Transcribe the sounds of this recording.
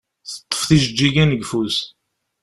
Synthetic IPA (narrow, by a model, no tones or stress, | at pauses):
θə̥t̪ˤːə̥fθiʒəd͡ʒːiɡænəɡfus